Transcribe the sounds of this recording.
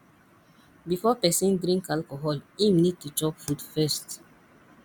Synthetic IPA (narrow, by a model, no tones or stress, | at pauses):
bifɔpɛsĩndɹĩŋkalkɔɦɔlimnid̚tut͡ʃɔpfudfɛst